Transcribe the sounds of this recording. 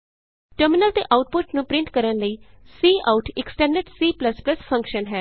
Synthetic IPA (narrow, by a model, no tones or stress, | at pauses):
ʈəɾmɪnəlt̪ḛːʔaːʊʈ̚pʊʈnũːpɾɪ̃ɳʈkəɾənləiː | siːʔaːʊʈʰɪksʈɛ̃ːɳɖəɾɖsiːpləspləspʰə̃ŋkʃənɦɛː